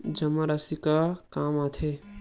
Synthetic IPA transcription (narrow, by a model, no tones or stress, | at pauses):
d͡ʒəməɾəsikɐkamat̪ʰe